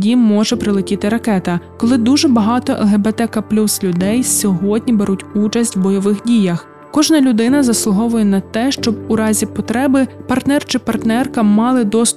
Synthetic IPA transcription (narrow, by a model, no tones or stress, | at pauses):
dʲimmːɔʒɛpɾɪlˠɪkʲɪt̪ɪɾɐkɛt̪ɐkɔlˠɪd̪uʒɛbɐɦɑt̪ɔʔɛ̰lˠɦebet̪ɛkɐplʲuslʲʊd̪ɛjsʲɔɦɔdʲnʲibeɾʔutʲut͡ʃɐsʲtʲwbɔjɔʋɪxdʲijɐx | kɔʒnɐlʲʊd̪ɪnɐzɐslˠʊɦɔʋʊjɛnɐt̪ɛʃt͡ʃɔb̚uɾɑzʲipɔt̪ɾɛbɪpɐrt̪nɛrt͡ʃɪpɐrt̪nɛrkɐmɑlˠɪd̪ɔs